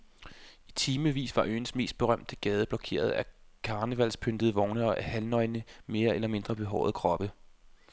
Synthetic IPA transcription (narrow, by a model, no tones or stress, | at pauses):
it͡sʰiːməʋḭːsʋɑ̈ʔø̰ːn̩sme̝̰ːsd̥̚b̥e̝ʁɶm̰d̥əɡ̥ɛːð̞ˠəb̥lɒ̽kʰe̝̰ːɐð̞ˠækʰɑ̈ːnəʋæl̰spʰønd̥əð̞̩ˠəʋɒʊnəɒʔæhælnɒ̽ɪnəme̝ːɐelɐme̝nd̥ʁɐb̥e̝ɦɒʊ̰ðˠkʰʁɒ̽b̥ə